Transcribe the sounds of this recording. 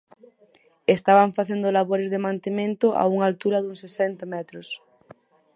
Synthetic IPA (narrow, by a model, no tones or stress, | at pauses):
est̪aβaɱfaθend̪olaβoɾezðemãnt̪emẽnt̪oʔa̰uŋalt̪uɾɐðuŋsesɛnt̪amɛt̪ɾos